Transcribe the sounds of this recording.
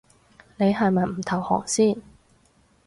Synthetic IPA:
ne˨˧jɦɐ˨jmɐ˨jm̩˨˩t̪ʰɐ˨˩whɔ̰ː˨˩ŋsiː˥˩n

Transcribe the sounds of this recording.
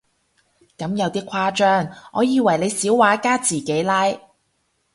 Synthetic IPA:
kɐ˨˥mjɐ˨˧wt̪iː˥kʷʰwaː˥t͡ʃœː˥ŋʔɔ̰ː˨˧jiː˨˧wɐ˨˩jle˨˧jsiː˨˥wwaː˨˥kaː˥t͡siː˨˩ke˨˥jlaː˥j

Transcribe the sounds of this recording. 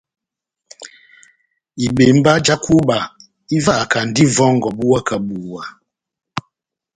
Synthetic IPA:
i˨ɓe˨m̩˦ba˦d͡ʒa˦ku˦ba˨ | i˦va˦˨ka˨n̩˨di˦vɔ˦ŋ˨ɡɔ˨bu˦wa˦ka˨bu˨wa˨

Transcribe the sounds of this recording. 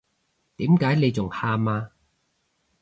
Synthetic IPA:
t̪iː˨˥mkaː˨˥jne˨˧jt͡sʊ˨˩ŋhaː˧maː˧

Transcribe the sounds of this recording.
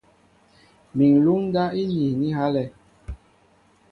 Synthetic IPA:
mi˨ŋ˨lu˦ŋ˦ɡa˦i˦ɲi˨ni˦ha˦lɛ˦

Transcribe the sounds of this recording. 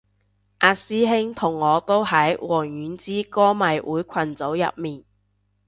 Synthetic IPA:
ʔaː˧siː˥ɦɪ˥ŋt̪ʰʊ˨˩ŋːɔː˨˧t̪o˥whɐ˨˥jwɔː˨˩ŋjyː˨˥nt͡siː˥kɔː˥mɐ˨jwʔuː˨˥jkʰɐ˨˩nt͡so˨˥wjɐ̰˨p̚miː˨˩n

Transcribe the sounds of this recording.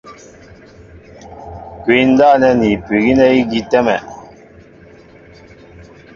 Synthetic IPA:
ki˨˦n̩˦da˦˨nɛ˦ni˨pi˨ɡi˦nɛ˦i˦ɡi˦tɛ˦mɛ˨

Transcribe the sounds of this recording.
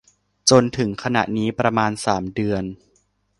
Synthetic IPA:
t͡ɕo˧nt̪ʰɯ˩˦ŋkʰa˧na̰˨˩ʔniː˦˥pɾa˧maː˧nsaː˩˦mdɯ˧ən

